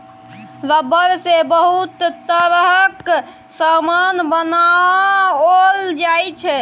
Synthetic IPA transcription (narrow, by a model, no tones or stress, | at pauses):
ləbəɾsebəɦut̪t̪əɾɦək | samanbəna | old͡ʒajt͡ʃʰɛ